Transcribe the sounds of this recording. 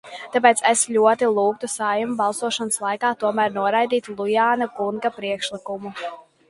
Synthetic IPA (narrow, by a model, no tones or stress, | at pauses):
t̪ap̬eːt̪sesʎʲuɔt̪ilˠuːkt̪usajumubalˠsuɔʃanslˠajkaːt̪uɔmæɾnuɔɾajd̪iːt̪lˠujaːnakunɡapɾiɛkʃlikumu